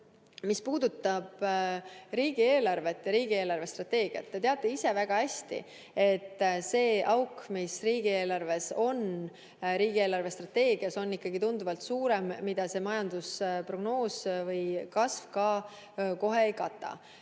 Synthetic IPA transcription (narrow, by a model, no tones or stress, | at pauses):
mispuːd̪̥ut̪ːˑɑb̥ | ɾiːɡ̥ie̞ːlɑrve̞t̪ːjɑɾiːɡ̥ie̞ːlɑrve̞st̪rɑt̪ːe̞ːɡ̥iɑ̰t̪ːe̞t̪e̞ɑt̪ːˑeise̞væɡ̥ɑhæsʲt̪ḭ | e̞t̪ːse̞ːʔɑwkmisriːɡ̥ie̞ːlɑrve̞so̞n | ɾiːɡie̞ːlɑrve̞st̪rɑt̪e̞ːɡiɑso̞nːikːɑɡ̥it̪und̪̥uvɑlt̪suːɾe̞mːid̪̥ɑse̞mɑjɑnd̪uspro̞ɡ̥no̞ːsvɤjkɑsvkɑ | ko̞ɦe̞ejkɑt̪ːˑɑ̰